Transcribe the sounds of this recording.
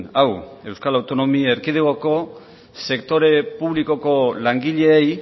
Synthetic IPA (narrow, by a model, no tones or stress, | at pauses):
awe̞wskalawt̪o̞no̞mieɾkið̞eɣoko̞ | se̞kt̪o̞ɾe̞puβliko̞ko̞laŋɡiʎe̞ːj